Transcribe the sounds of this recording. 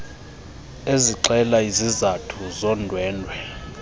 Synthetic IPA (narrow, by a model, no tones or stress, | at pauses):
eziǃɛlaizizatʰuzɔndʱwɛːndʱwɛ